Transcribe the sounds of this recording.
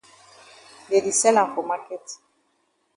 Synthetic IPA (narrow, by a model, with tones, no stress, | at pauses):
le˨di˨sɛ˦lã˨fo˨ma˦kɛ˦t